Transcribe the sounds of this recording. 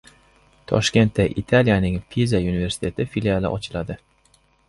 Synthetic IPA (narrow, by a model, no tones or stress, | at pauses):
t̪ʰɒ̰ʃkʲe̞nt̪ːaʔit̪ʰaljanɪŋpʰizaunive̞ɾsɪ̥t̪ʰe̞t̪ʰɪfilialˠɪ̰ʔɒt͡ʃʰɪlad̪ɪ